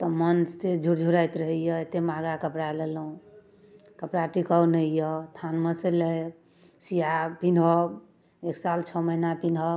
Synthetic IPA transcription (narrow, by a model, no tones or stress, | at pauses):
t̪ɔmənssed͡ʒʱuɽd͡ʒʱuɾajt̪ɾəɦəjəet̪emaɡakəpɾalelũ | kəpɾaʈikəwnəjət̪ʰanməseləj | sijapinɦɔ | eksalt͡ʃʰɔməinapinɦɔb